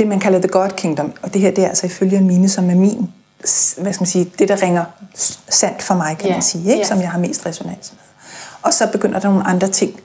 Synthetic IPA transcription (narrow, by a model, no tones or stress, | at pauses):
d̥e̝mænkʰælɐðəɡ̥ɒd̥kʰiŋd̥ɒ̽mɒ̽d̥e̝ɦeɐ̰d̥e̝æɐæl̰sɒ̽iføljəe̝nmiːnəsɒ̽mæɐmḭːn | ʋæskæmæn̩siːd̥e̝ɾ̥ɑ̈ʁɛŋɐsæn̰d̥fɒmɑ̈ɪkʰæmænsiːeɡɡ̥sɒ̽mjɑ̈ɪɦɑ̈me̝̰ːsd̥ʁɛso̝næn̰s | ɒ̽sɒ̽b̥e̝ɡ̥øn̰ɐd̥ɑ̈no̝ːn̩ɑ̈nd̥ʁɐt͡sʰe̝ŋ̰